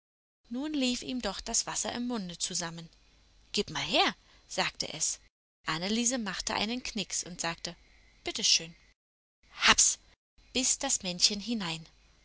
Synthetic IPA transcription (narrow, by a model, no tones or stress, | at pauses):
nuːnliːfʔiːmdɔχd̥asv̥asɐ̰ʔɪ̰mːʊndət͡suzamən | ɡ̥ɪːpmaːlɦeːɐ | z̥aːk̚tə̰ʔɛs | ʔanəliːzəmaχtəʔa̰ɪnənkʰnɪksʔʊntz̥aːk̚tə | b̥ɪtəʃøːn | haps | b̥ɪsd̥asmɛnçənɦɪnaɪn